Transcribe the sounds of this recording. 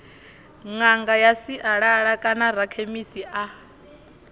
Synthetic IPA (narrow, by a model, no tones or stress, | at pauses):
ŋaŋɡajasiʔaɺaɺakʼanaɾakʰemisiʔa